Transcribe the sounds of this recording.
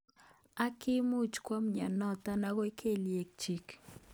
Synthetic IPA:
a˦kɪ˦mu˦t͡ʃkwa˦mɲa˨nɔ˦ta˦na˦ɣɔ˦i˦kʰe˦˨lje˨k̚t͡ʃi˨k

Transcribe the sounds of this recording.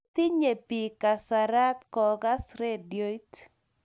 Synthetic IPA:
t̪i˦ɲe˨pi˨ka˨saɾa˦t̪kɔ˨ɡa˦sɾe˦djo˦t

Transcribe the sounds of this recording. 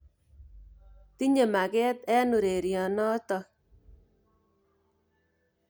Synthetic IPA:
ti˦ɲe˨ma˨kɛ˦tɛ˦nu˨ɾe˨ɾjɔ˨nɔ˦tɔ˧

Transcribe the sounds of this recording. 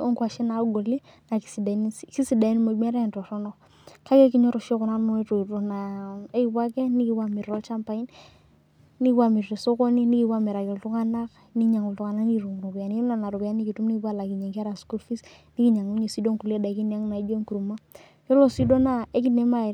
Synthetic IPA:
o˦ŋkwa˨ʃɛ˦na˨˦ɡo˨li˦ | na˨ki˨si˨da˨˦ki˦si˨da˨i˦n˦mo˨mɛ˦ɾa˦˨ntɔ˨tɔ˦nɔ˦˨ | ka˦ke˦ki˦ɲɔ˦ɾɔ˨ʃo˦kʊ˨na˨˦nɔ˦to˨ɾo˨na˨e˦ki˨bwa˦kɛ˦ni˦ki˦bwa˨mɪ˨ɾɔ˦lt͡ʃa˦mpa˨i˦n | ni˦ki˦bwa˦mi˨ɾte˨so˦ko˦ni˦ni˦ki˦bwa˦mɛ˨ɾa˨kɪ˨ltu˦ŋa˦na˦k | ni˦ɲa˨ŋu˨ltu˨ŋa˨na˦ni˦˨ɾu˨ŋ˨ɾu˨ki˨a˨n˦na˨na˨ɾu˨ka˦ni˦ki˨tu˦mni˦i˦bwa˦la˨ki˨ɲa˨ŋka˦ɾa˨sku˦lfi˦s | ni˦ki˦ɲa˨ŋ˦ɲe˨si˦do˦ŋku˨le˦da˨ki˦na˦ŋna˨˦d͡ʒo˦ŋku˨ɾu˨ma˦ | jo˦lo˦si˦do˦na˦e˦k̬i˦ne˦ma˦˨

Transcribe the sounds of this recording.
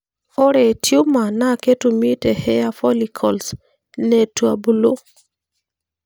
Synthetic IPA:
o˦ɾɛ˨tju˦ma˨na˦ke˦tu˨mi˦tɛ˨hɛ˦a˦fɔ˦li˨kʰɔ˨ls | nɛ˨twa˨bu˨lo˦

